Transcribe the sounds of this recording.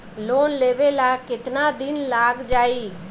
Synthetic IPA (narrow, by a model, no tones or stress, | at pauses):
loːnleːʋeːlaːɡkɪt̪naːd̪ɪnlaːɡd͡ʒaːiː